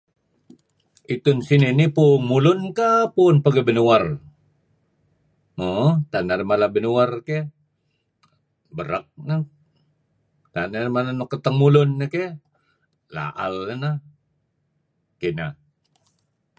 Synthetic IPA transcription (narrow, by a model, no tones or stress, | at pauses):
it̪ʊnsininipunmulʊnkapunpəɡəbənuar | mot̪anaɾimalabənuarke | bəɾək̚na | t̪anarimananokət̪əŋmulʊnːake | la̰ʔa̰ləna | kina